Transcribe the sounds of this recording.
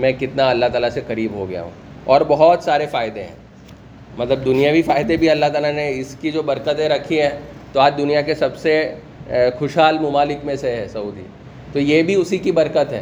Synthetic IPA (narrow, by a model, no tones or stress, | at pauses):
mɛ̃ːkɪt̪naɐlːaɦt̪aːlasekɐɾiːbɦoɡɐja̰ɦṵ̃ː | ɔːɾbɐɦɔt̪saːɾefaːjɪd̪ẽɦɛ̰̃ː | mɐt̪ləbd̪ʊnijabʱifaːɪd̪ebʱiɐlːaɦt̪aːlaneɪskid͡ʒoːbɐɾkət̪ẽɾɐkʰiɦɛ̃ːt̪oaːd͡ʒd̪ʊnijakesɐbse | xʊʃɦaːlmʊmaːlɪkmẽseɦɛsɐuːd̪ḭ | t̪ojebʱiʊsikibɐɾkət̪ɦɛ̰ː